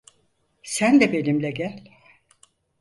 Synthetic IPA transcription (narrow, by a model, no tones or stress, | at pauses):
sænd̪ɛbe̞nimlʲɛɟælʲ